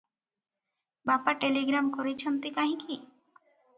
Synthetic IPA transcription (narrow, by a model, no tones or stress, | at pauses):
bapaʈeliɡɾamkoɾet͡ʃʰɔnt̪ikaɦĩki